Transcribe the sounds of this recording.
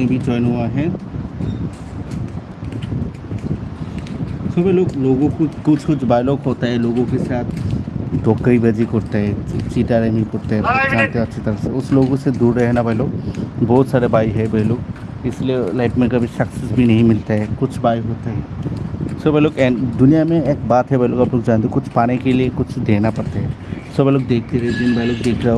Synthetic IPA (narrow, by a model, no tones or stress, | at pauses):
ĩbʱid͡ʒɔːɪnɦuaɦɛ̃ | soːbɛloːɡloːɡõkokʊt͡ʃʰkʊt͡ʃʰbaːjloːɡɦoːt̪aɦɛloːɡõkesaːt̪ʰd̪ʱoːkːəibɐd͡ʒikɔɾt̪eɦɛ̃t͡ʃiːʈaɾemĩkoɾt̪eɦɛ̃bʊd͡ʒaːnt̪eɐtːʃʰit̪ɐɾəseʊsloːɡõsed̪uːɾːɛɦnabɛɦloːɡbɔːt̪saːɾebaːiɦɛbɛɦloːɡ | ɪslielaːɪʈmẽkɐbʱiʃɐksɪsbʱinɐɦĩmɪlt̪aɦɛːkʊt͡ʃʰbaːiɦoːt̪aɦɛː | sɐbeɦloːɡɛd̪ʊnijamẽeːk̚baːt̪ɦɛbɛɦloːɡɐploːɡd͡ʒaːnd̪ekʊt͡ʃʰpaːnekeliekʊt͡ʃʰd̪eːnapɐɾt̪eɦɛː | sɐbɛloːɡd̪eːk̚ʰt̪eɾɛd͡ʒɪnbɐɦloːɡd̪eːk̪̚ʰe